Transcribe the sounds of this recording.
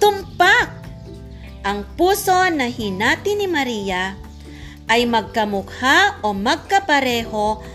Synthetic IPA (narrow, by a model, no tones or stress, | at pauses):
t̪ʊmpak̚ | ʔɐŋpuːso̞nɐhɪnaːt̪ɪnɪmɐɾiːja | ʔajmɐɡ̚kɐmʊkhaʔomɐɡ̚kɐpɐɾɛːho̞